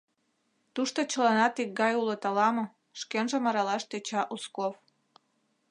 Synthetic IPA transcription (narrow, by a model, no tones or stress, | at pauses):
t̪uʃt̪ot͡ɕəlɑnɑt̪ik̚ɡɑjulot̪ɑlɑmɤ̆ | ʃkenʒə̆mɑɾɑlɑʃt̪et͡ɕɑʔuskof